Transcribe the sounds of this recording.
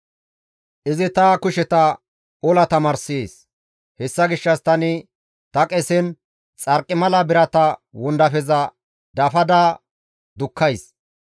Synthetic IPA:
ʔɪzɪt̪ɐkʊʃɛt̪ɐ | ɔlɐt̪ɐmɐɾseːs | hɛsːɐɡɪʃːɐst̪ɐnɪ | t̪ɐkʼɛsɛn | t͡sʼɐɾkʼːɪmɐlɐbɪɾɐt̪ɐwɔnd̪ɐfɛzɐ | d̪ɐfɐd̪aː | d̪ʊkʰːɐjs

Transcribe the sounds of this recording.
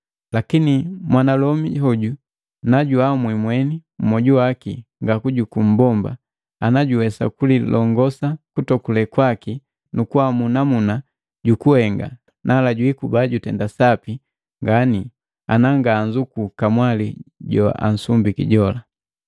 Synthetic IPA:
lakinimwanalɔmihɔɟu | naɟuamwimwɛnim̩mɔɟuwakiŋɡakuɟukum̩bɔmba̰ | anaɟuwɛsa̰kulilʔɔŋɡɔsakutɔkulɛkwaki | nukuwamunamuna | ɟukuhɛŋɡa̰ | nʔalaɟuikubaɟutɛndasapi | ŋɡani | anaŋɡaːɲzukukamwaliɟɔ̰a̰n̩sumbikḭɟɔla

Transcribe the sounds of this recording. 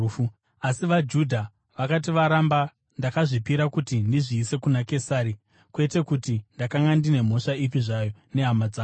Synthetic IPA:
u | asiʋad͡ʒudʱa | ʋakat̬iʋaɾamba | ndakaʐipiɾakutindiʐiːse̞kunake̞saːɾi | kwe̞te̞kutindakaŋɡandine̞m̤o̞ʂaip̬iʐaːjo̞ne̞ɦamad͡zaː

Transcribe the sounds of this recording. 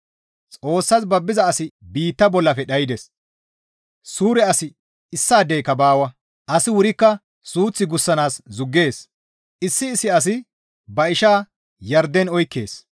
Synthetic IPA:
t͡sʼo̞ːsːɐzbɐbːɪzɐːsɪbiːt̪ːɐbɔlːɐfɛɗɐjɪd̪ɛs | suːɾɛɐsɪ | ɪsːaːd̪ɛjkːɐbaːwɐ | ʔɐsɪwʊɾɪkːɐ | suːt͡sːɪɡʊsːɐnaːszʊɡːe̞ːs | ɪsːɪːsːɪɐs̬ɪ | bɐɪʃaː | jɐɾd̪ɛnɔjkːe̞̰ːs

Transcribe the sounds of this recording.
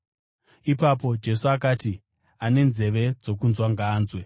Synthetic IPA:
ipap̬o̞d͡ʒe̞suak̬aːti | ane̞nze̞ʋe̞d͡zo̞kunzwaŋɡaːnzwe

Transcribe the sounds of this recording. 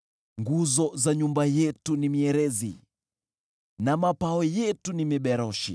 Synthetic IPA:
ŋɡuzɔzaɲumbajɛtunimiɛɾɛzḭ | namapaɔjɛtunimiɓɛɾɔʃḭ

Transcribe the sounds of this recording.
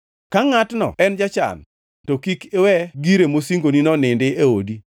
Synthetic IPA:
kaŋatnɔ̰ɛnd͡ʒat͡ʃa̰n | tokikewɛɡiɾemosiŋɡoninɔnɪndɪeodi

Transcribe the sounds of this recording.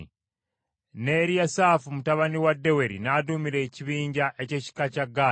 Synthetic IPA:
ne̞ɾijasaːfumutaβaniwadːe̞we̞ɾḭnadumiɾe̞ːciβiːɲɟaʔe̞ce̞ːci̥kacaɡːa

